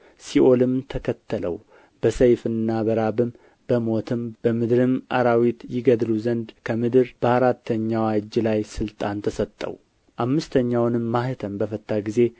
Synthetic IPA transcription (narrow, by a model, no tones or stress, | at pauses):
siʔo̞lɨmt̪ʰəkʰət̪ʰːələ̰w | b̥əsəjfɨnːabəɾabɨm | bəmo̞t̪ʰɨmb̥əmɨd̪ɾɨmʔa̰ɾawit̪jɪɡəd̪luzənd̪kʰəmɨd̪ɨɾb̥əaɾat̪ʰːəɲːawad͡ʒːlajsɨlt̪ʼant̪ʰəsət̪ʼːə̰w | ʔamːɨst̪ʰəɲːawnɨmːahɨt̪ʰəmbəfət̪ʰʼːaɡize̞